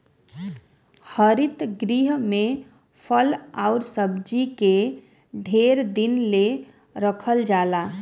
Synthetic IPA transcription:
həɾit̪ɡɾiɦmẽ | pʰəlaʊɾsəbd͡ʒike | ɖʱeɾd̪inle | ɾəkʰəld͡ʒaːla

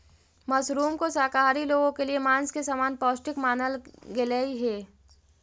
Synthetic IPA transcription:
mɐsɾuːmkosaːkaːɾiloːɡõkeliemãːnskesaːmaːnpɔːsʈɪkmaːnəlɡɪlaːiɦɛː

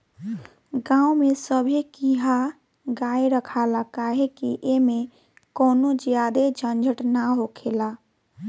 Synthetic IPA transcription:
ɡãumesəbʱikiɦa | ɡaeɾəkʰalakaɦekiʔeme | koːnod͡ʒjad̪ed͡ʒʱənd͡ʒʱəʈnaɦokʰela

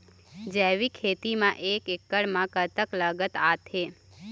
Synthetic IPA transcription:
d͡ʒeʋikʰet̪imãʔekekːəɭmãkət̪əkləɡət̪at̪ʰe

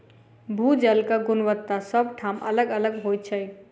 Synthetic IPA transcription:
bʱud͡ʒəlkaɡunʋət̪ːasəbʈʰamələɡələɡɦojt͡ʃʰəj

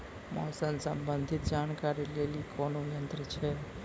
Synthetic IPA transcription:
mɔ̰ːsənsəmbənd̪ʱɪt̪̚d͡ʒaːnkaːɾileːlikʰonojə̃nt̪ɾət͡ʃʰe

